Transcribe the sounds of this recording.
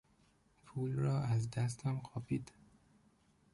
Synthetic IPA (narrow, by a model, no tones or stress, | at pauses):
pʰuːlɾɒːæzd̪æs̬t̪ʰɒmqʰɒːpid̪